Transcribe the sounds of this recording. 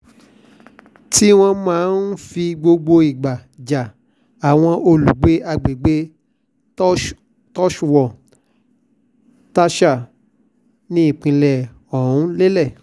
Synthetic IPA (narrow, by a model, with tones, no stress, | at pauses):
ti˦w̃ɔ̃˧mãː˦n̩˦fi˧ɡ͡bo˧ɡ͡bo˧i˨ɡ͡ba˨d͡ʒa˨ | a˨w̃ɔ̃˧ʔo˧lu˨ɡ͡be˨˦a˧ɡ͡be˨ɡ͡be˦ | tɔ˦ʃu˦˨wɔ˨ | ta˦ʃa˦˨ | nĩ˨˦i˦˨k͡pĩ˧lɛ˨ | ɔ˨ũ˨˦le˦lɛ˦˨